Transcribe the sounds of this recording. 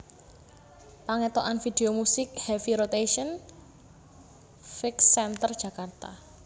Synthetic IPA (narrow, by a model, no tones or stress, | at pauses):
paŋɛt̪oʔanfid̪̥eomusɪk̚hɛfiɾot̪eʃən | fɪksɛnt̪ərd̥ʒ̥ä̤kart̪a